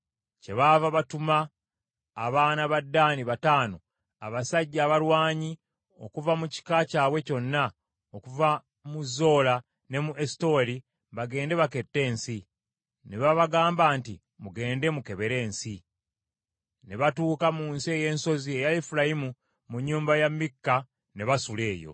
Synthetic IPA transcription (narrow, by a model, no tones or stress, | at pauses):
ce̞βaːvaβatumaː | βaːnaβadːaːniβataːno̞ | a̰βasaɟːaːβalwaːɲi | o̞̰kuvamuci̥kacaːβwe̞co̞nːa | okuva | muzːo̞ːla | ne̞muʔe̞sto̞ːli | βaɡe̞ːnde̞βake̞tːe̞ːnsi | neβaβaɡaːmbaːntḭ | muɡe̞ːnde̞muke̞βe̞ɾe̞ːnsi | neβatuːkamuːnsie̞je̞ːnso̞zie̞jaefuɾajimu | muɲːuːmbajamːikːa | ne̞βasule̞ːjo̞̰